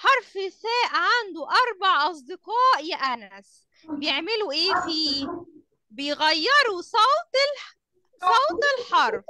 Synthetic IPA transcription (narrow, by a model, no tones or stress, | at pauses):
ħɑɾˤfɪsæːʔʕand̪uʔɑɾˤbɑʕʔɑs̬ˤd̪ɪqɑːʔjæʔænæs | bejeʕmeluʔeːfiː | bejɣæjːɑɾˤusˤɑwt̪l | sˤɑwt̪elħɑɾˤf